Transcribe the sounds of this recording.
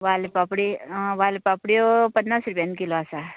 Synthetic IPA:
ʋalepapɽiʋaːlepapɽiopənːasɾupʲjankiloasa

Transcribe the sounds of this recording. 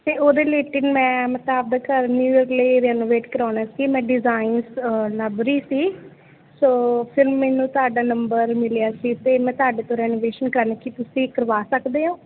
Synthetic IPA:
t̪eːoːd̪eːleːʈɪnmɛ̃ːmət̪aːb̚d̪aːkəɾniɾləiːɾɛːnoːʋeːʈkəɾaːɽaːsiːmɛ̃ːɖɪzaːinsləbɾiːsiː | soːpʰɪɾmɛːnũːt̪ʊaːɖaːnəmbəɾmɪljaːsiːt̪eːmɛ̃ːt̪ʊaːɖeːt̪õːɾɛːnoːʋeːʃənkɾaːnekiːt̪ʊsĩːkəɾʋaːsəkd̪eːɦãː

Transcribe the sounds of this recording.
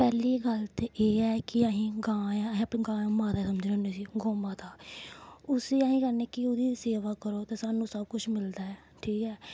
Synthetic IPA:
pɛːliːɡəlt̪eʔeːɛːkɪaɦĩːɡãːaĩəpneːɡãːãmaːd̪aːsəməd͡ʒnẽɦoːneːsiːɡoːmaːd̪aː | ʊsiːaɦĩːkəɾneːkɪʊd̪iːseːʋaːkəɾoːt̪eːsaːnũːsəb̚kʊt͡ʃʰmɪld̪aːɛː | ʈʰiːkɛː

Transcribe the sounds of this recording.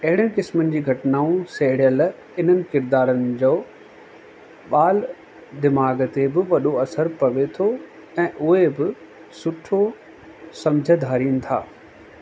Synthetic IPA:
ɐɦɪɽənɪ̆kɪsmənɪ̆d͡ʑiːɡʱɐʈnaːũseɦɪɽɪjəl | ɪn̤ənɪ̆kɪɾd̪aːɾənɪ̆d͡ʑoː | ɓaːl | d̪ɪmaːɡət̪ebɪʋɐɗoɐsəɾpɐʋet̪ʰo | ɛ̃ːʔʊɦebɪ | sʊʈʰo | sɐ̃md͡ʑʱəd̪ʱaːɾiːnɪ̆t̪ʰa̰ː

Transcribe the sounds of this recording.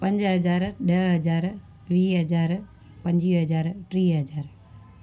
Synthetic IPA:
pɐɲd͡ʒɨɦɐd͡ʒaːɾɨɖeɭɦɐd͡ʒaːɾɨ | ʋiːɦɐd͡ʒaːɾɨ | pɐɲd͡ʒiɦɐd͡ʒaːɾɨʈɾiːɦɐd͡ʒaːɾɨ

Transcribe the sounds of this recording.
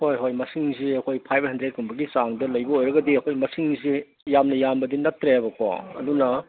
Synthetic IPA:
hojɦojmɐsiŋziɐkʰojpʰajp̚ʰhɐndɾekumbɐɡit͡ʃaŋdɐlɐjbɐojɾɐɡɐdiɐkʰojmɐsiŋzi | jamnɐjambɐdinɐtːɾejabɐkwa̰ɐ̰dunɐ

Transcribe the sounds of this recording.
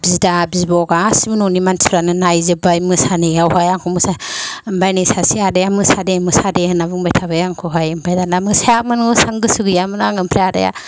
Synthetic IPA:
bizdabizbɔɡasimunɔnimansʰiɾanɯnajzɯbajmɯsanejawɦajaŋkʰɔmɯsambajnisasiadajamɯsademɯsadeɯnabɯŋbajtʰaβajaŋkʰuɦajɯmpʰajdanamɯsajamɯnɡɯsaŋɡɯsɯɡɯjamɯnaŋɯmpʰɾeada̰ja̰

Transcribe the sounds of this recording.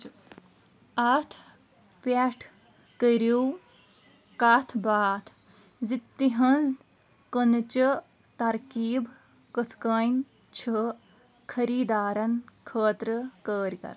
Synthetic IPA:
ɐt̪ʰ | pʲaʈʰ | kəɾiw | kaːt̪ʰbaːt̪ʰ | zit̪ːiɦɐnz | kənɨt͡ʃə | t̪ɐɾkiːb | kət̪ʰkɐːn | t͡ʃʰə | kʰɐɾiːd̪aːɾɐnkʰəːt̪ɾəkəːɾkɐ̰ɾ

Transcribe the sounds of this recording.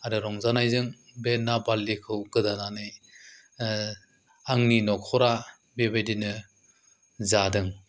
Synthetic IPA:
aɾɯɾɔŋzanajzɯŋ | benːabalːikʰɯwɡɯdananɯj | aŋninɔkʰɔɾa | bebedinɯ | zadɯŋ

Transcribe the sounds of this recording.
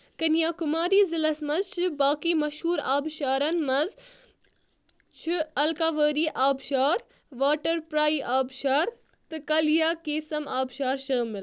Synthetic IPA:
kɐnijaːkʊmaːɾiːzɪlɐsmɐzt͡ʃʰɪbaːkimɐʃhuːɾaːbʃaːɾɐnmɐz | t͡ʃʰɪɐlkaːʋəːɾiːʔaːbʃaːɾ | ʋaːʈɐɾpɾaːiʔaːbʃaːɾ | t̪ɨkɐlijaːkeːsɐmaːbʃaːɾʃɐːmɪl

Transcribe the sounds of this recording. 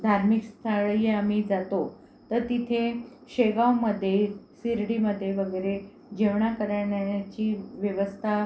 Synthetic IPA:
d̪ʱaɾmikst̪ʰaɭjamid͡zat̪o | t̪əɾt̪it̪ʰe | ɕeɡawməd̪ʱːjesiɾɽiməd̪ʱːjeʋəɡəɾe | d͡ʑeʋɳakəɾɳjat͡ɕiːʋjəʋəst̪ʰa

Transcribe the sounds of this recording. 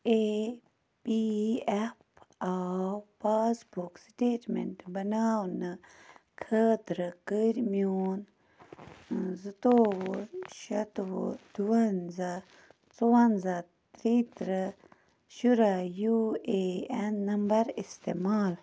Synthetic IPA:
e | piepawpaːsbuksʈeːʈmḛɳʈbɐnaːwnɨkʰəːt̪ɾɨkəɾʲmjoːn | zɨt̪oːwoʃɐt̪wod̪̥uwɐnza | t͡sowɐnza | t̪ɾit̪ɾɨ | ʃuɾajueenːɐmbɐɾist̪emaːl

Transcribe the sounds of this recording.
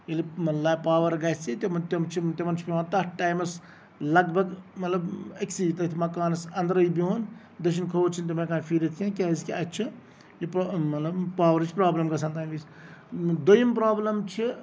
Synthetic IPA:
iliɐlaːpaːʋɐɾɡɐt͡sit̪imt̪ɐmt͡ʃʰit̪imɐnt͡ʃʰipʲiãːnt̪ɐʈːaːjmɐs | lɐɡbɐɡmɐt̪lɐbɐksit̪ɐt̪ʰimɐkaːnɐsɐnd̪ɐɾɐibiɦoːn | d̪ɐʃ̬inkʰoːt͡ʃʰint̪imɐ̃kaːnfiːɾʲɐt̪ʰkʲãːkʲaːzkʲiɐt͡ʃʰi | jipmɐt̪lɐbpaːʋɐɾt͡ʃʰpɾaːblɐmɡɐsant̪aːnʋis | d̪ojimpɾaːblɐmt͡ʃʰi

